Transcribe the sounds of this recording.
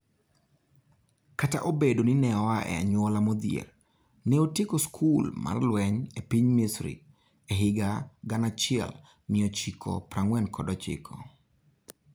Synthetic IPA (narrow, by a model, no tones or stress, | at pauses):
kata̰ʔobedonɪnɛɔwaʔɛ̰a̰ɲwɔlamod̪ɪḛr | nɪotɪkoskʰulma̰rlwɛɲepiɲmisɾḭ | eɦɪɡaɡanat͡ʃɪɛ̰l | nɪɔt͡ʃikʰɔ̰pɾaŋwɛnkʰɔdɔt͡ʃɪ̰kʰɔ